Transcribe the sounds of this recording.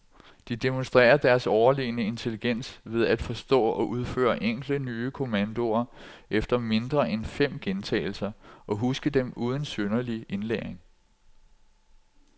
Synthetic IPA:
d̥id̥emonsd̥ʁɛ̰ːɐd̥æɐsɒʊɐlḭːnəe̝nt͡sʰe̝liɡ̥en̰sʋe̝ð̞ˠæd̥fɒ̽sd̥ɔ̰̽ːɒ̽ʔuð̞ˠfø̰ːɐʔeŋ̰ɡ̥l̥ənyːəkʰo̝mænd̥o̝ɐʔefd̥ɐme̝nd̥ʁɐʔenfem̰ɡ̥ent͡sʰɛ̰ːl̩sɐɒ̽ɦusɡ̥əd̥emuːð̞ˠən̩sønɐlie̝nleʁeŋ

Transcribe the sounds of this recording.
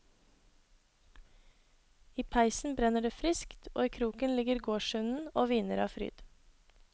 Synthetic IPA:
iːpʰæɪsn̩bɾɛnəɖeːfɾɪskt̪ʰo̰ːiːkʰɾuːkənlɪɡəɾɡoːʃʉnn̩oːʋiːnəɾɑ̰ːfɾy̰ːd̪̥

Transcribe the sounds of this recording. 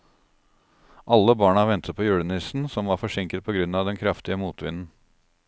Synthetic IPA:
ʔɑlːəbɑːɳɑʋɛnt̪ʰət̪pʰoːjʉːɽənɪsn̩sɔmʋɑːɾfɔʂɪŋkət̪pʰɔːɡɾʉnɑːd̪ɛnkʰɾɑft̪ɪəmuːt̪ʰʋɪnn̩

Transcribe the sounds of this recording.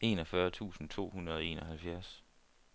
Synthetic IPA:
e̝ːnɒfɶɐt͡sʰṵːsn̩t͡sʰo̝̰ːhunɐðˠɒe̝̰ːnɒ̽ɦælfjæɐs

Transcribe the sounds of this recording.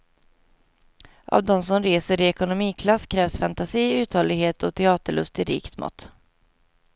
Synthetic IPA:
ʔa̰vd̪ɔmsɔmɾeːsəɾɪɛkʊnʊmiːkʰlasːkʰɾɛːvsfant̪asiːʉ̟ːt̪hɔlɪɡheːt̪ʰɔt̪ʰɛɑːt̪əɭɵ̰st̪ɪɾḭːkt̪mɔ̰t̪ː

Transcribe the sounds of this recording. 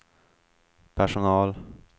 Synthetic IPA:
pʰæʂʊnɑːl

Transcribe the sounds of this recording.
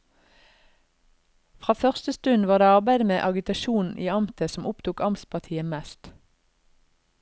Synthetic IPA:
fʁɑːfœʁst̪əst̪ʉnʋɑːd̪eːɑʁbæɪd̪əmeːʔɑɡɪt̪ɑʃuːn̩ḭːɑmt̪ʰəsɔmʔʊpt̪ʰuːkɑmspʰɑʁt̪ʰiːəmɛst̪

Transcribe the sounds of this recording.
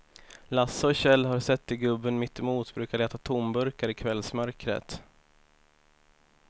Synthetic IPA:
lasːaɔɕɛlːɦaɾsɛt̪ːɪɡɵbːənmɪt̪ːɪmuːt̪bɾʉ̟ːkaɭɛːt̪at̪ʰʊmbɵɾkaɾɪkʰvɛlsmœɾkɾə̰t̪

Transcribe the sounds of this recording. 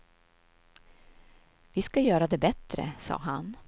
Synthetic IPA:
vɪskajœːɾad̪ɛbɛt̪ɾə̰sɑ̰ːɦan

